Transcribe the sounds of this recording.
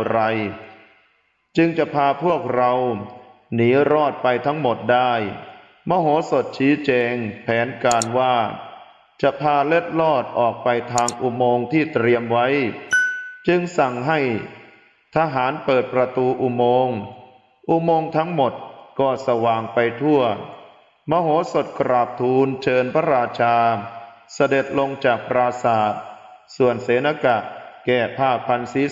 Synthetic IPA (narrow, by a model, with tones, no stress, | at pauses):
ɾa˧j | t͡ɕɯ˧ŋt͡ɕa˨˩ʔpʰaː˧pʰu˥˩ək̚ɾa˧w | niː˩˦ɾɔː˥˩t̪̚pa˧jt̪ʰa˦˥ŋmo˨˩t̪̚daː˥˩j | mɔː˧ɦoː˨˩˦so˨˩t̪̚t͡ɕʰiː˦˥t͡ɕɛː˧ŋpʰɛː˩˦˥nkaː˧nwaː˥˩ | t͡ɕa˨˩pʰaː˧le˥˩t̪̚lɔː˥˩t̪̚ʔɔː˨˩k̚pa˧jt̪ʰaː˧ŋʔu˧moː˧ŋt̪ʰiː˥˩t̪ɾi˧əmwa˦˥j | t͡ɕɯ˧ŋsa˨˩ŋɦa˥˩j | t̪ʰaː˧ɦaː˩˦npɤː˨˩t̪̚pɾa˧t̪uː˧ʔu˧˩moː˧ŋ | ʔu˧moː˧ŋt̪ʰa˦˥ŋmo˨˩t̪̚kɔː˥˩sa˧waː˨˩ŋpa˧jt̪ʰu˥˩ə | mɔː˧ɦoː˩˦so˨˩t̪̚kɾaː˨˩p̚t̪ʰuː˧nt͡ɕʰɤː˧npʰa˦˥ɾaː˧t͡ɕʰaː˧sa˧de˨˩t̪̚lo˧ŋt͡ɕaː˨˩k̚pɾaː˧saː˨˩t̪̚ | su˨˩ənseː˨˩˦na˧ka˨˩ʔkɛː˨˩pʰaː˥˩k̚pʰa˧nsi˨˦˥